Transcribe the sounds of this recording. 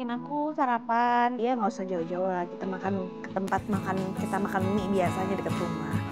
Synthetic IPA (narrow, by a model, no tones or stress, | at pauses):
ɪnakusaɾapanijamausad͡ʒaud͡ʒaalakit̪amakankə̥t̪əmpat̪̚makankit̪amakanniʔbiasaɲadəkət̪ɾumah